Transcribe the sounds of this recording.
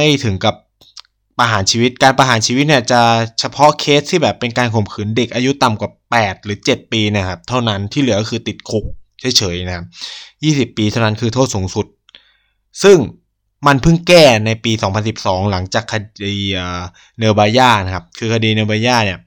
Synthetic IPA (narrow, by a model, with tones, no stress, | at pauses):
a˥˩jt̪ʰɯ˩˦ŋka˨˩p̚ː | a˧ɦaː˩˦nt͡ɕʰiː˧wi˦˥t̪̚kaː˧npa˧ɦaː˩˦nt͡ɕʰiː˧wi˦˥t̪̚ni˥˩ɐt͡ɕa˨˩t͡ɕʰa˧pʰɔ˦˥kʰeː˦˥s̚t̪ʰːiː˥˩bɛː˨˩pːe˧nkaː˧nkʰo˨˩mkʰɯː˩˦nde˨˩k̚ʔaː˧ju˦˥t̪a˨˩mkwaː˨˩pɛː˨˩t̪̚ɾɯː˩˦t͡ɕe˨˩t̪̚piː˧na˦˥˩kʰa˦˥p̚t̪ʰa˥˩wna˦˥nt̪ʰiː˥˩lɯ˩˦ɐkɔ˥˧kʰɯː˧t̪i˨˩t̪̚kʰu˨˥k̚t͡ɕʰɤː˦˥jt͡ɕʰɤː˩˦jna˦˥kʰa˦˥p̚jiː˥˩si˨˩pːiː˧t̪ʰa˥˩wna˦˥nkʰɯː˧t̪ʰoː˥˩t̪̚suː˨˩˦ŋsu˨˩t̪̚ | sɯ˥˩ŋ | ma˧npʰɯ˥˩ŋkɛː˥˩na˧jpiː˧sɔː˩˦ŋpʰa˧nsi˨˩p̚sɔː˩˦ŋla˩˦ŋt͡ɕaː˨˩kʰːa˧iː˧ʔəː˨˩ | nɤː˧baː˧jaː˥˩na˦˥kʰa˦˥p̚kʰɯː˧kʰa˧diː˧nɤː˧baː˧jaː˥˩ni˥˩ɐ